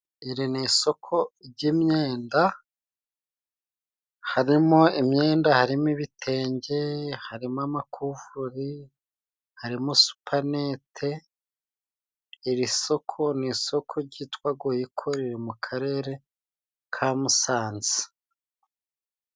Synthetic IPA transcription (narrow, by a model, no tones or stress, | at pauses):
iɾiniso̞kʰo̞ɾɟimɲe̞ːnda | haɾimoimɲe̞ːndahaɾimiβitʰe̞ːɲɟe̞haɾimamakʰuːvuuɾi | haɾimosu̥pʰane̞ːtʰe̞ | ɾiso̞kʰo̞niso̞kʰo̞ɾɟiːtwaɡojikʰo̞ɾiɾimukʰaɾe̞ːɾe̞ | kʰamusaːnzi̥